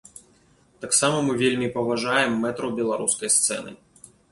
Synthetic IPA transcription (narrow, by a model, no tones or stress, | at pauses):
t̪aksamɐmɨvʲelʲmʲipɐvaʐajɛmːɛt̪ɾɐwbʲɛlˠaɾuskɐjst̪sɛ̰nɨ̰